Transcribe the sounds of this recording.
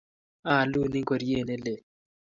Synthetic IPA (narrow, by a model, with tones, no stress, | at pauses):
a˦˨lu˦ni˦ŋko˨ɾje˦˨ne˦le˨